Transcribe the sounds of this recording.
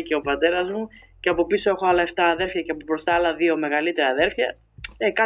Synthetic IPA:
ceo̞pɐt̪e̞ɾɐzmu | ceɐpo̞piso̞e̞xo̞ɐlɐeft̪ɐːðe̞ɾfçɐceɐpopɾo̞st̪ɐɐlɐðio̞me̞ɣɐlit̪e̞ɾɐːðe̞ɾfçɐ | ekɐ

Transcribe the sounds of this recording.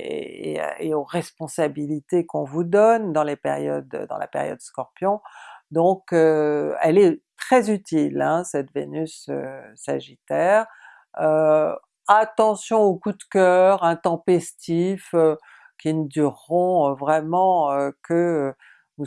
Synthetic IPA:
ḛeoʁɛspɔ̃sabilit̪ekɔ̃vud̪ɔnd̪ɑ̃lepḛʁjɔ̰d̪̰d̪ɑ̰̃la̰pḛʁjɔ̰d̪skɔʁpjɔ̃d̪ɔ̃køɛ̰lɛt̪χɛzyt̪ilɛ̃sɛt̪vḛnysø̰ːa̰ʒit̪ɛːʁ | ø | at̪ɑ̃sjɔ̃okud̪kʲœʁɛ̃t̪ɑ̃pɛst̪ifø | kʲinəd̪yʁːɔ̃vʁɛmɑ̃økə | nu

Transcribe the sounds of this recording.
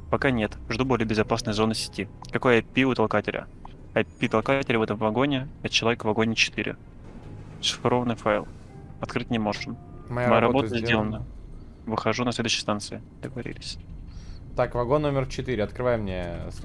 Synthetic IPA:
pɐkanʲet̪ʐd̪ubo̞lʲɪjəbʲɪzɐpasnɨjəzo̞nːɨsʲɪ̥tʲikɐko̞jɐpʲiʊt̪ɐlˠkatʲɪlʲə̰ | ɐpʲit̪ɐlˠkatʲɪlʲɪvɛt̪əɱvɐɡo̞nʲɪɐt͡ɕːɪlˠɐvʲekvɐɡo̞nʲɪt͡ɕɪ̥t̪ɨɾʲɪ̰ | ʂɨ̥fɪɾo̞vənɨfajlˠ | ɐt̪kɾɨtʲnʲɪmo̞ʐɨmmɐjmɐjaɾɐboəzʲdʲelˠənə | vɨxɐʐunɐslʲe̞d̪ʊɕːɪjst̪ant̪sɨɪ | d̪̥əɡəvɐɾʲḭlʲɪsʲ | t̪akvɐɡonʲːomʲɪrt͡ɕɪt̪iɾʲɪɐt̪kɾɨvajmnʲes

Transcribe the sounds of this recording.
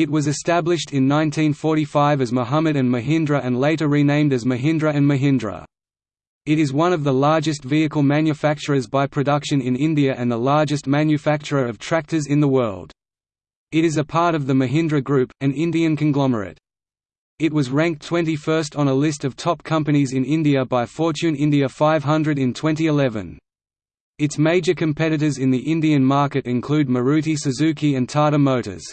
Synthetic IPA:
ɨt̚wʌzɨstæblɨʃtɨ̃nːãɪ̃ntʰĩnfɔɹɾifaɪvɨzmoʊɦamɨɾɨ̃nmɨɦɪ̃ndɹɨʔɨ̃nleɪɾə˞ɹinẽɪ̃mdɨzmɨɦɪ̃ndɹɨɨ̃nmɨɦɪ̃ndɹə̰ | ɨɾɨzwʌ̃ñʌvðəlɑɹd͡ʒɨstviɨkəl̩ˠmæ̃njɨfæk̚t͡ʃə˞ɨzbaɪpʰɹ̥ɨdʌkʃɨ̃nɪ̃nɪ̃ndiɨʔɨ̃nðəlɑɹd͡ʒɨstmæ̃njɨfæk̚t͡ʃə˞əʌv̥tʰɹ̥æk̚tə˞zɨ̃nðəwɜ˞lˠd̥ | ɨɾɨzəpʰɑɹɾʌvðɨmɨɦɪ̃ndɹɨɡɹʉpɨ̃nɪ̃ndiɨ̃nkʰɨ̃nɡlɑmə̰˞ɨ̰ɾ | ɨt̚wʌzɹæ̃ŋk̚tʰw̥ɛ̃ntifɜ˞stn̩əlɪstʌv̥tʰɒp̚kʰʌ̃mpɨñizɨ̃nɪ̃ndiɨbaɪfɔɹt͡ʃʉ̃nɪ̃ndiɨfaɪv̥ɦʌ̃ndɹɨɾɨ̃ntʰw̥ɛ̃ntiɨlɛvɨ̰̃n | ɨtsmeɪd͡ʒə˞kʰɨ̃mpʰɛɾɨɾə˞zɨ̃nðiʔɪ̃ndiɨ̃nmɑɹkɨɾɨ̃nkʰl̥ʉd̚mə˞ʉɾisɨzʉkiɨ̃ntʰɑɹɾəmoʊɾə̰˞z̥

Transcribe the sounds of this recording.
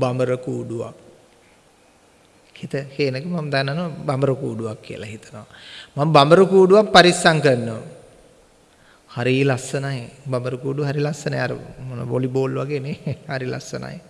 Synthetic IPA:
baməɾəkuːɖuʋa̰ | hit̪əheːnəkəmaməd̪anːanoʋabaməɾəkuːɖuʋakːiə̰laɦit̪ənoʋamambaməɾəkuːɖuʋakpaɾisaŋkənːəʋ | haɾilasːənajbaməɾəkuːɖuɦaɾilasːənajaɾə̰monə̰ʋoliboːlʋaɡeːnehaɾila̰sːə̰na̰j

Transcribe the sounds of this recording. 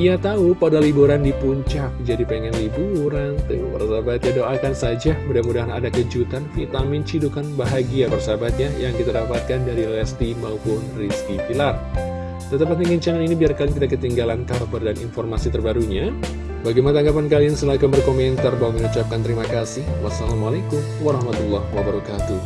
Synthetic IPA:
ijat̪aupadalibuɾandipuɲt͡ʃak̚d͡ʒadipɛŋɛnlibuɾant̪əpərsabat̪̚ɲadoʔakansad͡ʒamudamudaɦana̰dakəd͡ʒut̪ankit̪amɪnt͡ʃidukanbaɦaɡiapərsabat̪̚ɲajaŋkit̪adapat̪̚kandaɾilɛst̪imaupʊnriskipilar | t̪ət̪apat̪̚nəŋəɲt͡ʃaŋaninibiarkalikit̪akət̪iŋɡalankabərdaninfɔrmasit̪ərbaɾuɲa | baɡijmanat̪aŋɡapankaliansəlakambərkomɛnt̪arbawŋminut͡ʃap̚kant̪əɾimakasɪhwasalamalekʊmwaɾɑhmat̪ulːɑhwabaɾakat̪u

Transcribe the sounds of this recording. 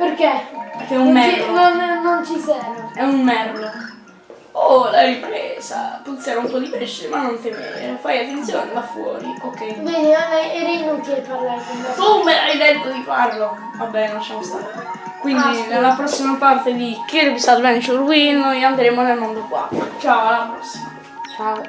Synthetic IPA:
perkepekɛumɛnonnont͡ʃisɛːmoɛunmɛrlo | olaɾipɾɛsa̰put̪sjaɾaumpɔd̪ipɾesiemanːont̪emḛɾefajat̪ːent̪sjoːnelafːwɔ̰ːɾiokːɛjbeneeɾinont̪iapaɾlakonɛkomeajd̪et̪ːod̪iparlo | vabːɛnont͡ʃjamost̪at̪o | kwind̪inelːapɾɔsːimapart̪ed̪ikeɾkisalvɛnt͡ʃurwinːojand̪ɾeːmonelmond̪okwa̰t͡ʃaoalːapɾɔsːima | t͡ʃa

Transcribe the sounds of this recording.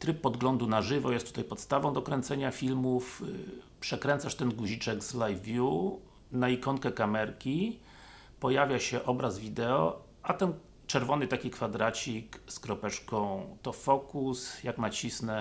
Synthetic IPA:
t̪ɾɘp̚ːɔd̪ɡlɔnd̪unaʐɘvɔjɛst̪ːut̪ajpɔt̪st̪avɔ̃w̃d̪ɔkɾɛnt̪sɛɲafʲilmuf | pʂɛkɾɛnt̪saʂt̪ɛnɡuʑit͡ʂɛkzlajvːʲju | naikɔŋkɛkamɛɾkʲi | pɔjavʲjaɕɛʔɔbɾazvʲid̪ɛɔ | at̪ɛn | t͡ʂɛɾvɔnɘt̪akʲikfad̪ɾat͡ɕikskɾɔpɛt͡ʂkɔ̃w̃t̪ɔfɔkusjakmat͡ɕisnɛ

